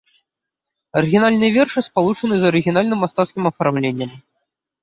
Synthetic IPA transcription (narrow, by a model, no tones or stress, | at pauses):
ɐɾɨɣʲinalʲnɨjɐvʲɛrʂɨspalˠut͡ʂɐnɨzɐɾɨɣʲinalʲnɨmːast̪at̪skʲimɐfarmlʲenʲːɐm